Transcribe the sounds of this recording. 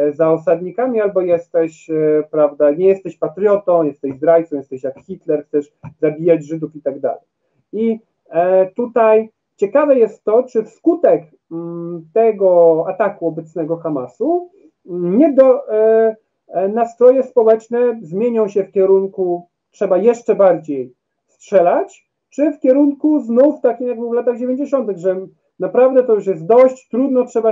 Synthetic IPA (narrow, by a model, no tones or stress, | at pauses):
zaɔsad̪ɲikamʲialbɔjɛst̪ɛɕpɾavd̪aɲɛjɛst̪ɛɕpat̪ɾʲjɔt̪ɔ̃w̃jɛst̪ɛʑzd̪ɾajt̪sɔ̃w̃jɛst̪ɛɕjakxʲit̪lɛɾxt̪sɛʂzabʲijad͡ʑʐɘd̪ufit̪aɡd̪a̰lɛj | i | t̪ut̪aj | t͡ɕɛkavɛjɛst̪ːɔt͡ʂɘfskut̪ɛk | t̪ɛɡɔat̪akuɔbɛt̪snɛɡɔxamasu | ɲɛd̪ɔ | nast̪ɾɔjɛspɔwɛt͡ʂnɛzmʲjeɲɔ̃w̃ɕɛfkʲɛɾuŋku | tʂɛbajɛʂt͡ʂɛbaɾd͡ʑej | stʂɛlat͡ɕ | t͡ʂɘfkʲɛɾuŋkuznuft̪akʲimjaɡbɘwvlat̪aɣd͡ʑevʲeɲd͡ʑeɕɔnt̪̬ɘɣʐɛ | napɾavd̪ɛt̪ɔjuʂ̬jɛst̪̚d̪ɔɕt͡ɕt̪ɾud̪nɔtʂɛba